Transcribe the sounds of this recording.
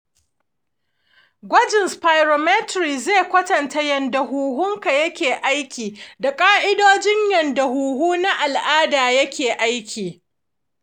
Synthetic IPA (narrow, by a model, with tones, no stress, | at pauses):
ɡʷɐ˦d͡ʒɪ˨nspaː˨jɾo˨mɛ˦tɾiː˨zeː˦˨kʷɐ˦tɐ˨nta˦jɐ˨nda˨ɦuː˨ɦʊ˦ŋka˨jɐ˦kʲeː˨ʔa˦jkʲiː˨da˨kʼaː˦ʔɪ˦doː˦d͡ʒɪ˦ɲjɐ˨nda˨huː˨ɦuː˦na˦ʔa˨lʔaː˦daː˨jɐ˦kʲeː˨ʔa˦jkʲʰiː˨